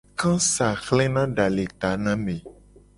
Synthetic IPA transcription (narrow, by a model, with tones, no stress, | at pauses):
kã˦sa˨xlɛ̃˦nã˦ɖa˨le˨t̪a˨˦nã˦mẽ˨